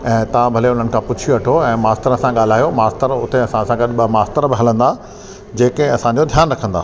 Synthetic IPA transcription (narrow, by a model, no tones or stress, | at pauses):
ɛ̃ːt̪ɐʋãbʱɐleʊn̤ənɪ̆kʰãpʊt͡ɕʰioɐʈʰoɛ̃ːmaːst̪əɾəsãɠaːl̤aːjomaːst̪əɾʊt̪eɐsãsãɡɐɗɓɐmaːst̪əɾbɪɦɐlə̃nd̪a | d͡ʑeːkẽɐsãɲd͡ʑod̪ʱjaːnɾɐkʰə̃nd̪aː